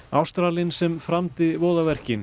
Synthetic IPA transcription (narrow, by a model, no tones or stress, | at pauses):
awst̪ɾaːlɪnsɛmfɾamt̪ɪvoːwðavɛr̥cɪn